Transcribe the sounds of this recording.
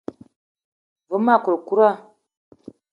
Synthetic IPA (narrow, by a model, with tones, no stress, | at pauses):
və˨˦ma˦˨ku˨ɾku˦ɾa˦